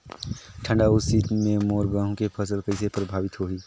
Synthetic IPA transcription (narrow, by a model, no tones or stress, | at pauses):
ʈʰə̃ɳɖaʊsiːt̪mẽmoːɾɡãːɦõkepʰəsəlkəɪsepɾəbʱaːʋɪt̪ɦoɦiː